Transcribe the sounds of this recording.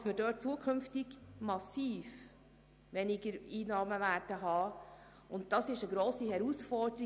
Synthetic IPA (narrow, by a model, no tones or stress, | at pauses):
sməɾdøːt̚t͡suəkʰɵmftɪɡmɑsiːf | ʋɛnɪɡəɾiːnɑːməʋæːɾdəɦɑː | ʊnt̚tɑsɪʃəɡɾoːsihɛɾusfɔɾd̥əɾi